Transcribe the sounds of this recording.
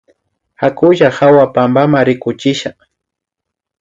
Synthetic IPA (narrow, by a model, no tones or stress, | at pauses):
hakʊʒahawapambamaɾɪkʊt͡ʃɪʃaχ